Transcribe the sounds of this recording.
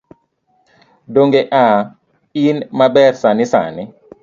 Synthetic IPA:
doŋɡeʔa | inmabɛrsanɪsa̰nɪ

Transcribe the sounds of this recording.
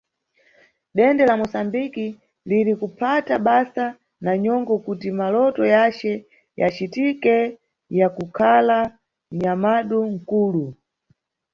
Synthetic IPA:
ɗɛndɛlamɔsambiki | liɾikupʰataɓasa | naɲɔŋɡɔkutimalɔtɔjat͡ʃɛ | ja̰t͡ʃitikɛ | jakukʰala | ɲamaɗuŋ̩kuːlu

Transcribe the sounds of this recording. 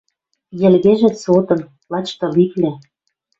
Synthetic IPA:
jɘ̆lɣeʒĕsot̪ɤ̆n | lɑt͡ɕt̪ɤ̆liklʲĕ

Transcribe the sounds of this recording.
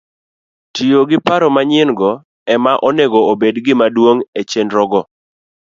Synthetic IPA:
tijoɡɪpaɾɔmaɲɪnɡɔ | ɛmaʔɔneɡoobedɡɪmadwoŋet͡ʃendɾɔɡɔ

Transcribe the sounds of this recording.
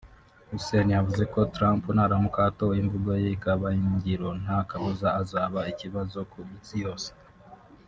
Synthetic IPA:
ɾusenijavuze̞ko̞tɾampunaːɾamukatoweiɱvuɡojeikaβaiɲɟiɾo̞n̥hakaβuzaːzaːβaiciβazo̞kuisijo̞ːse̥

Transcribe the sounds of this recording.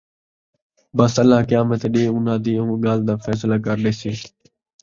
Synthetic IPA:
bəsəlːaːkəjaːmət̪ːɗeːʊnãːd̪iːõːɠaːld̪aːfɛːslaːkəɾɗeːseː

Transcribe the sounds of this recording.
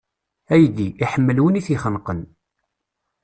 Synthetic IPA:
æjd̪iiħəmːəlwəniθiχənqən

